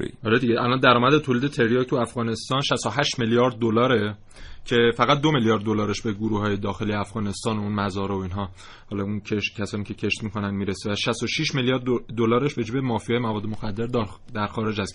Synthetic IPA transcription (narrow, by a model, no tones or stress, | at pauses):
ʔɒːɾed̪iɟeʔælɒnd̪æɾɒːmæd̪et̪ʰoliːd̪e̞t̪ʰe̞ɾjɒːkt̪ʰuæfɡɣɒːne̞st̪ɒːnʃæst̪oɦæʃt̪meljɒːɾd̪̚ːolɒːɾe̞ | cʰe̞fæɣæt̪̚d̪omeljɒːɾd̪ːo̞lɒːɾe̞ʃbe̞ɡoɾuːɦɒːje̞d̪ɒːxe̞lijeæfɣɒːne̞st̪ɒːnounmæzɒːɾooiːnɦɒː | hɒlɒuncʰeʃcʰæsɒːniːcʰe̞cʰe̞ʃt̪miːkʰo̞nænd̪miːɾesevæʃæst̪o̞ʃiːʃmeljɒːɾd̪d̪olɒːɾeʃbe̞d͡ʒiːbe̞mɒːfijɒːjemævɒːd̪ːmoxæd̪ːe̞ɾd̪d̪æɾxɒːɾe̞d͡ʒhæs